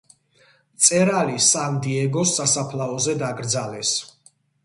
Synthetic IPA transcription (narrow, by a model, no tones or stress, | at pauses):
t̪sʼɛɾalisand̪iɛɡɔsːasapʰlaɔzɛd̪aɡɾd̪zalɛs